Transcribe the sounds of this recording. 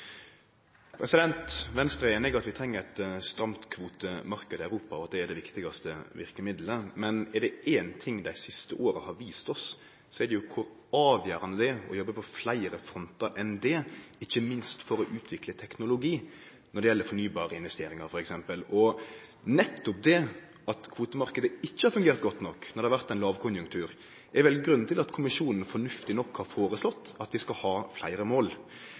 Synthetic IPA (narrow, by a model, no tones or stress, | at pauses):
pʰɾɛsɪd̪ɛnt̪ʋɛnst̪ɾəeːnɪɡɾɑt̪ʋɪt̪ʰɾɛŋːəɾɛt̪st̪ɾɑmt̪kʰʋuːt̪əmɑɾkəd̪əœʉɾuːpɑɔʋɑt̪̚d̪ɛːɖ̪ɛʋɪkt̪ɪɡɑst̪əʋɪɾkəmɪd̪ləmɛnɛɖɛʔeːnt̪ʰɪŋːd̪æɪsɪst̪əʔoːɾəhɑɾʋiːst̪ɔs | sɔɛɖɛjʊkʰʊɾ | ɑːʋjæːɾɑnəd̪ɛɔ̰jɔbːəpʰɔflæɪɾəfɾɔnt̪əɾʔɛnd̪ɛɪçːəmɪnst̪fɔɾɔʔʉːt̪ʰʋɪklət̪ʰɛknʊlʊɡiː | nɔɾɖɛjɛlːəɾfɔɳyːbɑːɾəɪnʋɛst̪eːɾɪŋɑɾfɔɾɛksɛmpəlɔ | nɛt̪ːʊp̚d̪ɛ | ɑt̪kʰʋuːt̪əmɑɾkəd̪əɪçːəhɑɾfʉŋɡeːɾt̪̚ɡɔt̪ːnɔkːnɔɾɖ̪ɛhɑʋæɾt̪ɛɪnlɑːʋkʰʊnjʉŋkt̪ʰʉːɾ | ʔɛɾʋɛlɡɾʉnːnt̪ʰɪlɑt̪kʰʊmɪʂuːnn̩fɔɳʉft̪ɪnɔkːhɑɾfoːɾəslɔt̪ːɑt̪d̪ɪskɑhɑːflæ̰ɪɾəmoːl